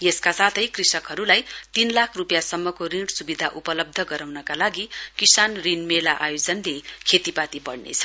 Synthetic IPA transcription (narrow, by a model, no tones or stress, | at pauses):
jeskasat̪ʰʌjkrisʌkɦʌɾulajt̪inlakʰrupjasʌmːʌkoriɽsubid̪ʱaʔupʌlʌb̚d̪ʱʌɡʌɾawnʌkalaɡikisanrinmelaʔajod͡zʌnlekʰet̪ipat̪ibʌɽnḛt͡sʰʌ̥